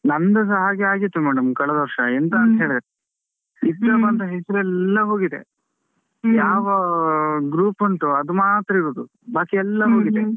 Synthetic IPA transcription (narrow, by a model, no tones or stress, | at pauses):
nɐnd̪ɐs̬ɐɦaːɡiaːɡit̪ːumæːɽɐmkɐɭɐd̪ɐʋɐɾʂɐent̪ɐnt̪ɐɦeːɭid̪ɐɾe | id̪ːɐbɐnt̪ɐɦɛsɐɾuɛlːɐɦo̞ːɡid̪ḛ | jaːʋɐɡɾuːpɐɳʈuɐd̪umaːt̪ɾɐiɡod̪u | baːkiɛlːɐɦoːɡid̪e